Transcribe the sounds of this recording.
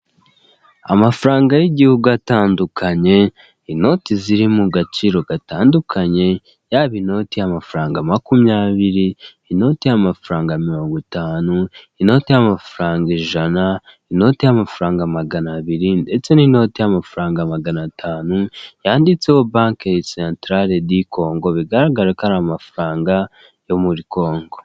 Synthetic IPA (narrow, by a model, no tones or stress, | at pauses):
a̰mafɾaːŋɡajiɟihuɡujataːndukʰaɲe̞ | ino̞tiziɾimuɡat͡ʃiɾo̞ɡataːndukʰaɲe̞ | jaːβino̞tijamafuɾaːŋɡamakumɲaːβiɾiː | no̞tijamafuɾaːŋɡamiɾo̞ːŋɡitaːnuino̞ːtejamafuɾaːŋɡeʒanaino̞ːtijamafuɾaːŋɡamaɡanaβiɾinde̞t͡se̞nino̞ːtejamafuɾaːŋɡamaɡanatʰaːnujaːndit͡se̞ho̞baːŋkeisentɾaɾeɾdikʰo̞ːŋɡo̞βiɡaɾaɡaɾekaɾamafuɾaːŋɡa | jo̞muɾiko̞ːŋɡo̞